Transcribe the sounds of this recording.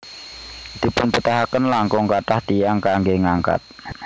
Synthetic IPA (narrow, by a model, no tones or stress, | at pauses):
d̪̥i̤pʊnpət̪aɦakənlaŋkʊŋkaʈaht̪ijaŋkaŋɡeŋaŋka̰t̪̚